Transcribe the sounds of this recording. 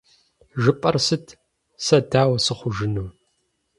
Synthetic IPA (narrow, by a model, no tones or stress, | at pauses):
ʒɨpʼɐrsɨtʰ | sɐdaːwɐsɨχʷʊʒɨnuː